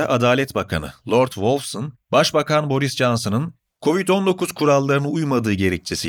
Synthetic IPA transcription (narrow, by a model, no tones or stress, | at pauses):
ʔad̪aːlʲɛt̪bakʰa̰nɯ̰lˠo̞ɾt̪volʲˠfsonbaʃbakʰanbo̞ɾisd͡ʒansɯnɯn | kʰo̞vit̪o̞nd̪o̞kʰuz̥kʰuɾalˠːaɾɯnɯujmad̪ɯːɟe̞ɾɛc̚t͡ʃʰesi